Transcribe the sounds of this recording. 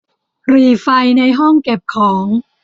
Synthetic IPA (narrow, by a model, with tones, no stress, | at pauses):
ɾiː˧˩fa˧jna˧jɦɔ˥˩ŋke˨˩p̚kʰɔː˩˦ŋ